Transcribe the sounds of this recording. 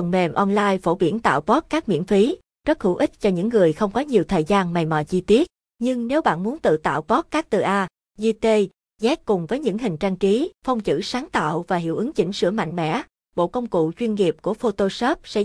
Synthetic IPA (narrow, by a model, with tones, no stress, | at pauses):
ə˨˩nme˨˩mʔɔ˧nlaː˧jfo˧˩ɓi˧˩ənt̪a̰ː˧˨wvɔ˦˥t̚kaː˦˥k̚mḭ˧˥ənfi˨˦ | zə˦˥t̚hṵ˧˩ʔï˦˥t̟̚t͡ɕɔ˧ɲɨ̰˧˥ŋːɨ˨˩əjxə˧wŋ͡mkɔ˨˦ɲi˨˩əwt̪ʰəː˨˩jzaː˧nma˨˩jmɔ̰˧˨t͡ɕi˧t̪i˦˥ət̚ | ɲɨ˧ŋne˨˦wɓa̰ː˧˨nmu˨˦ənt̪ɨ̰˧˨t̪a̰ː˧˨wkɔ˦˥kaː˦˥k̚t̪ɨ˨˩ʔaː˧ | zi˧t̪e˧ | zɛ˦˥t̚kʊ˨˩ŋ͡mvəː˨˦jɲɨ̰˧˥ŋɦï˨˩ŋ̟t͡ɕa˧ŋt͡ɕi˨˦fə˧wŋ͡mt͡ɕɨ̰˧˥saː˨˦ŋt̪a̰ː˧˨wvaː˨˩ɦḭ˧˩əwʔɨ˨˦ŋt͡ɕḭ˧˩ŋ̟sɨ̰˧˥əma̰˧˨ŋ̟mɛ̰˧˥ | ɓo̰˧˨kə˧wŋ͡mkṵ˧˨t͡ɕwi˧ənŋi˨˩p̚ku˧˩əfo˧t̪o˧sɔː˦˥p̚sɛ̰˧˥